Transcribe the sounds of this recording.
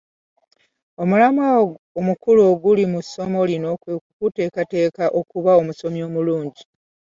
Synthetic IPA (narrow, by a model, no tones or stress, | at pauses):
o̞mulamwa | omukuloːɡulimuso̞mo̞lino̞ːkwekukuteːkate̞ːkaʔo̞kuβao̞muso̞mjo̞ːmuluːɲɟi